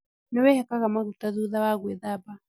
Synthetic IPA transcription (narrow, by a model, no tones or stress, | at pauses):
nɛwɛhɛkaɣamaɣutaðuðawaɣwɛðaba